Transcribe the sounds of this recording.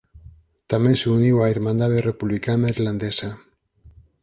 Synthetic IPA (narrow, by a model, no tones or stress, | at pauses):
t̪amenseuniwaiɾmãnd̪aðerepuβlikanaiɾland̪esa